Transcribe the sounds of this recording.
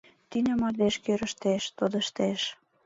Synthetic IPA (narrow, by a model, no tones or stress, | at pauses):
t̪ynʲə̆mɑd̪eʃkøɾə̆ʃt̪eʃt̪od̪ə̆ʃt̪eʃ